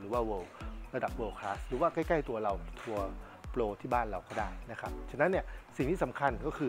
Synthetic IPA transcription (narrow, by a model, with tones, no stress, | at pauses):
ɯː˩˦waː˥˩wɤː˧wɾa˧da˨˩p̚wɤː˧wkʰaː˦˥sɾɯː˩˦waː˥˩ka˥˩jka˥˩jt̪u˧ɐɾa˧wt̪ʰu˧ɐ | ploː˧t̪ʰiː˥˩baː˥˩nɾa˧wkɔː˥˩daː˥˩jna˦˥kʰa˦˥p̚t͡ɕʰa˧nːa˦˥nːi˥˩ɐsi˨˩ŋt̪iː˥˩sa˩˦mkʰa˧nkɔː˥˩kʰɯː˧